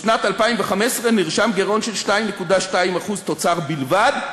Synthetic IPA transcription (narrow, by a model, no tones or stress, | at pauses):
ʃnat̪alpaimveχamesʁeniʁʃamɡeʁo̞nʃelʃtaimnːekudaʃtaimaχuzt̪o̞t͡saʁbilvad̪